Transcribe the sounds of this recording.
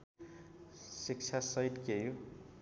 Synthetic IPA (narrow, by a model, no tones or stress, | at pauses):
sik̚t͡ʃʰasʌjʈkejo